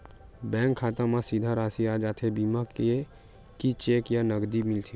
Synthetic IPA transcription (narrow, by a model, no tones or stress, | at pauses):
bɛ̃ŋkʰːat̪amasid̪ʱəɾasiad͡ʒat̪ʰebiməke | kit͡ʃekjanəɡd̪imilt̪ʰi